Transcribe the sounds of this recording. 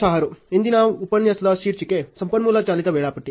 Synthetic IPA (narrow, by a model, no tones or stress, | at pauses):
aɦaɾoind̪inaːʋupənjɐslaʃiːɾt͡ʃikesɐmpənmulat͡ʃaːlit̪aʋeːɭapəʈːi